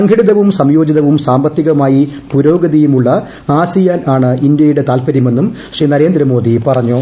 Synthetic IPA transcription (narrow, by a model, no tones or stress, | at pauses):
ɐŋɡʱiɽiðɐʋumsɐmjo̞ːd͡ʑiðɐʋumsaːmbɐt̪ːiɣɐumaːjipuɾo̞ːɡɐðijumuɭːɐ | aːsijaːnaːɳɨʔind̪jɐjuɽe̞t̪aːlpɐɾime̞nːum | ɕriːnɐɾe̞ːnd̪ɾɐmo̞ːd̪ipɐrɐɲːu